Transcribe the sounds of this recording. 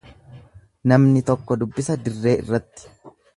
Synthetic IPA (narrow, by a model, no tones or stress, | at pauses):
nɐmnɪt̪ɔkːɔd̪ʊbːɪsɐd̪ɪrːe̞ːʔɪ̰rːɐt̪ːɪ̥